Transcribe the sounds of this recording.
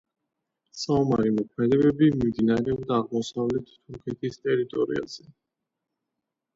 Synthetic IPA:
saumaɾimɔkʰmɛd̪ɛbɛbimimd̪inaɾɛɔbd̪aːʁmɔsavlɛt̪ʰːuɾkʰɛt̪ʰist̪ʼɛɾit̪ʼɔɾḭa̰z̥ɛ

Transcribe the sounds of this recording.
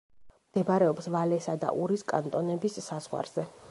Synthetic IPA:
md̪̥ɛbaɾɛɔpsvalɛsad̪a̰ʔuɾiskʼant̪ʼɔnɛbisːaz̥ʁwa̰ɾz̥ɛ

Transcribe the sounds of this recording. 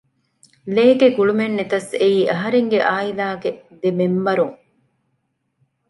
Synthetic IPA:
leːɡeɡuɭumenːet̪ɐseiːʔɐɦɐɾeŋɡeʔaːilaːɡed̪emembɐɾuŋ

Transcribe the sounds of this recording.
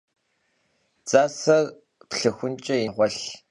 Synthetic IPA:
t͡sʼaːsɐr | pɬɨxʷʊnt͡ʃʼɐjɪʁʷɔɬ

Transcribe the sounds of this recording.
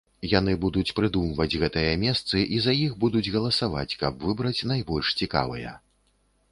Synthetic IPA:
janɨbud̪ut͡sʲpɾɨd̪umvɐd͡zʲɣɛt̪ɨjɐmʲɛst̪sɨʔizajixbud̪ud͡zʲɣɐlˠɐsava̰t͡sʲkɐbvɨbɾɐt͡sʲn̪ajbɔlʲʂt͡sʲika̰vɐjɐ̰

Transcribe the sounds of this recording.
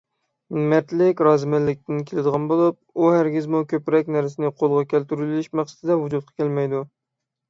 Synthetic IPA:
mɛt̪lɪkʲɾɑzmælːɪk̚ʲt̪ɪnkʲʰelɪd̪əʁɑnbolˠup̚uhæɾɡʲɪzmukʲøpɾɛkʲnæɾsɪnɪqʰolˠʁɑkʲʰælt̪yɾylɪlɪʃmæχsə̥t̪ʰɪd̪ɛvud͡ʒut̪̚qʰɑ̥kʲʰælmɛjd̪u

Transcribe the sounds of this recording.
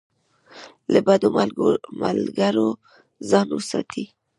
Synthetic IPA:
labad̪omma̰lɡaɾo | zɑnwəsɑ̰t̪ʰi

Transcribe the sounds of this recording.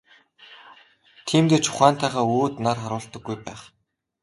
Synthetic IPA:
t̪ʰiːmt̪eːt͡ɕʰʊ̥χæːnt̪ʰæːʁaːoːt̪narχaɾʊːɬt̪ə̆ɡːujpæːχ

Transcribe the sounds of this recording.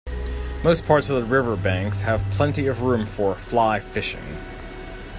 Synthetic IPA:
moʊspʰɑɹtsʌvðəɹɪvə˞bæ̃ŋkshɨv̥pʰl̥ɛ̃ntiʌvɹʉ̃ɱfə˞flaɪfɪʃɪ̰̃ŋ

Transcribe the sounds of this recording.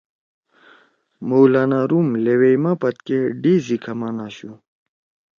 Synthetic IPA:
mowlaːnaːɾumlewejmapɐt̪keɖizikʰɐmaːnaːɕu

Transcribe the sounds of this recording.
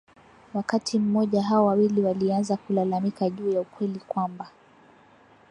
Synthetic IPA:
wakatʰim̩mɔʄaɦaɔwawiliwalianzakulalamikaʄuːjaukwɛlikwamba

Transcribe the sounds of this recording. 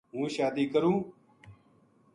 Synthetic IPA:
ɦũːʃaːd̪iːkəɾũː

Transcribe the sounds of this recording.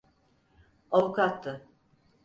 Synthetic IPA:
avukʰat̪ːɯ

